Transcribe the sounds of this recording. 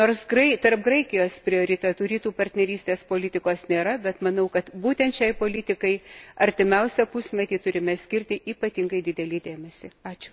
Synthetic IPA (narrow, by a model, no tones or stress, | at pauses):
noːrsɡrɐɪt̪ɐrp̚ɡrɐɪkʲɪjoːspʲɾʲɪoːɾʲɪt̪ʲɛt̪uːɾʲiːt̪uːpɐrʲt̪ʲnʲɛɾʲiːsʲt̪ʲeːspoːlʲɪt̪ʲɪkoːsnʲeːɾɐbʲɛt̪mɐnɐʊkɐt̪buːt̪ʲɛnt̪ʃʲɛɪpoːlʲɪt̪ʲɪkɐɪɐɾʲt̪ʲɪmʲɛʊsʲɛpʊsʲmʲɛt̪ʲiːt̪ʊɾʲɪmʲɛsʲkʲɪɾʲt̪ʲɪʔiːpɐt̪ʲɪŋɡɐɪd̪ʲɪd̪ʲɛlʲiːd̪ʲeːmʲɛsʲɪɑːt͡ʃʲʊ̥